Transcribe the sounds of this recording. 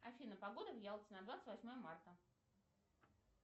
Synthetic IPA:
ɐfʲinəpɐɡo̞d̪əvʲjalˠʲsʲənɐd̪vat̪sə̥tʲvɐsʲmo̞jəmart̪ə

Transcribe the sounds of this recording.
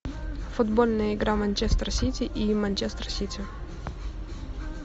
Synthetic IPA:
fʊd̪bolʲnəjəɪɡɾamɐnʲt͡ɕest̪ɾəsʲitʲɪʔimɐnʲt͡ɕest̪rəsʲitʲɪ

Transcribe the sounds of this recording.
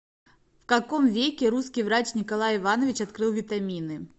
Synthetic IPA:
fkɐkɔmvʲekʲɪɾuskʲijvɾat͡ɕʲnʲɪkɐlˠajɪvanəvʲɪt͡ɕɐt̪kɾɨlˠvʲɪt̪amʲinɨ

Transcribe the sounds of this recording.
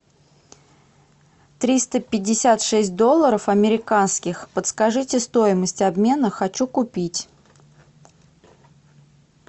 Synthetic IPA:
t̪ɾʲist̪əpʲɪdʲːɪsʲat̪ʂɛsʲt̚ʲd̪o̞lˠːəɾəfɐmʲɪɾʲɪkanskʲɪxpət̪skɐʐɨtʲɪst̪o̞jɪməsʲtʲɐbmʲe̞nəxɐt͡ɕukʊpʲitʲ

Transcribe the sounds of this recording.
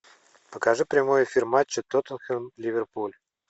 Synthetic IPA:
pəkaʐɨpɾʲɪmojɪfʲirmat͡ɕːət̪ot̪ənxənlʲɪvʲɪrpulʲ

